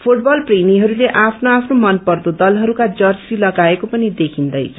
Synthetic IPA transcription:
pʰuʈ̚bʌlpremiɦʌɾuleʔapʰnoapʰnomʌnpʌrd̪od̪ʌlɦʌɾukad͡zʌrsilʌɡaekopʌnid̪ekʰind̪ʌjt͡sʰʌ

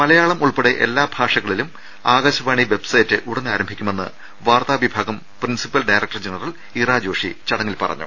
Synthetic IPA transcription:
mɐlɐjaːɭɐmuɭpeɽeʔḛlːaːbʱaːʂɐɣɐɭilum | aːɡɐːɕɐʋaːɳiʋe̞bsɐjtːɨʔuɽɐnːaːɾɐmbʱikʲːume̞nːɨ̰ | ʋaːrt̪aːʋibʱaːɡɐm | prinsipːɐlɖɐjɾɐk̚ʈɐrd͡ʑenɐrɐɭ | iraːd͡ʑo̞ːʂit͡ɕɐɽɐŋːilpɐ̰rɐ̰ɲːṵ

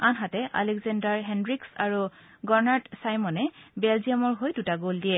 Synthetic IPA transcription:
anɦatɛʔa̰lɛkzandaɹɦɛndɹiksaɹu | ɡɔɹnatsajmɔnɛbɛlzijamɔɹɦojdutaɡoldiɛ

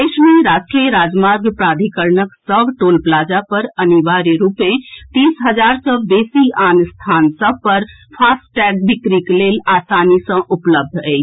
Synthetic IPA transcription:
esmeɾasʈɾijəɾad͡ʒmaɾɡpɾad̪ʱikəɾnəksəbʱʈolplad͡ʒapəɾəniʋaɾeɾupet̪isɦəd͡ʒaɾsə̃besianst̪ʰansəb̚pəɾ | pʰasʈʈɛk̚bikɾiklelasanisə̃ʔupləb̚d̪ʱɛɪt͡ʃʰ

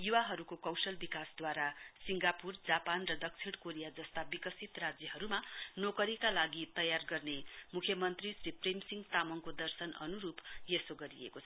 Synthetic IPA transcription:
juwaɦʌɾukokʌwsʌlbikasd̪waɾasiŋɡapurd͡zapanrʌd̪ʌk̚t͡sʰiɽ̃koɾijad͡zʌst̪abikʌsit̪rad͡zjʌɦʌɾumanokʌɾikalaɡit̪ʌjarɡʌrnemukʰjʌmʌnt̪risripʰremsiŋɡt̪amʌŋkod̪ʌrsʌnʌ̰nuɾupjesoɡʌɾiḛkot͡sʰʌ

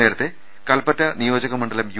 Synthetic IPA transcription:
e̞ːɾɐt̪ːe | kɐlpɐtːɐnijo̞ːd͡ʑɐɣɐmːɐɳɖɐlɐmj

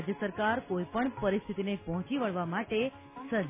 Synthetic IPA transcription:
d͡ʒjəsəɾkaɾkoipəɳpəɾist̪ʰit̪inepɔɦɔ̃t͡ʃiʋəɭʋamaʈe | sə

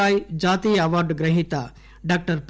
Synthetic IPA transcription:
aːjd͡ʒaːt̪iːɐʋaɾɖɡɾɐɦit̪a | ɖaːk̚ʈəɾp

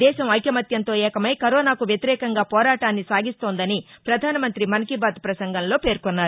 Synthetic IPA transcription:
ɛːʃɐmɐjkjɐmɐt̪jɐnt̪o̞ːɛːkɐmɐjkɐɾoːnaːkuʋjɐt̪iɾɛːkɐŋɡaːpɔːɾaːʈaːnːisaːɡist̪o̞ːnd̪ɐnipɾɐd̪ʱaːnɐmɐnt̪ɾimɐnɐkibaːt̪pɾɐsɐŋɡʱɐnlo̞ːpe̞ːɾkonːaːɾu

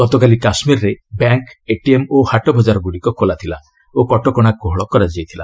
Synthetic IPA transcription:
ɡɔt̪ɔkalikasmiɾɔɾebaŋkeʈiemohaʈɔbɔd͡ʒaɾɔɡuɽikɔkʰolat̪ʰila | okɔʈɔkɔɽ̃ak̚ːoɦɔɭɔkɔɾad͡ʒajt̪ʰila̰

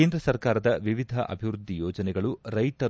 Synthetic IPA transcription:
eːnd̪ɾɐsɐɾkaːɾɐd̪ɐʋiʋid̪ʱɐʔɐ̰bʱiʋɾud̪ʱːijɔːd͡ʒɐnɛɡɐɭuɾɐjt̪ɐ

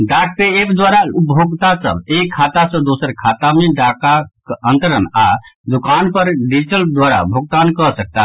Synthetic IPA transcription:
ɖak̚peepd̪waɾaupoɡt̪asə̰bekʰat̪asə̃d̪osəɾkʰat̪ameɖakakənt̪əɾəna̰d̪ukanpəɾɖid͡ʒiʈəld̪waɾa̰bʱoɡ̚t̪ankəsək̚t̪a

